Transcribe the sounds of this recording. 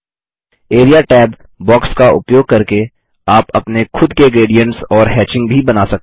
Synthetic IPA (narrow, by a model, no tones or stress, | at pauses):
eːɾijaʈɛːb | bɔːkskaʊ̰pjoːɡ̚kɐɾke | aːpɐ̰pnexʰʊd̪keɡɾeːɖijə̃ɳʈsɔːɾɦɛːt͡ʃɪ̃ŋɡ̚bʱibɐnaːsɐk̚t̪ː